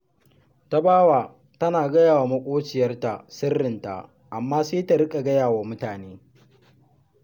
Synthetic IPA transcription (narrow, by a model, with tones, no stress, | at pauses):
ta˦baː˦waː˨ | tɐ˦naː˨ɡɐ˦jaː˨wa˨mɐ˦kʷʼoː˦t͡ʃɪ˨jɐ˦rta˨sɪ˦rːɪ˨nta̰˨ʔ | ʔa˨mːaː˦seː˦ta˨ɽɪ˦kʼa˨ɡɐ˦jaː˨waː˨mʊ˦taː˨neː˦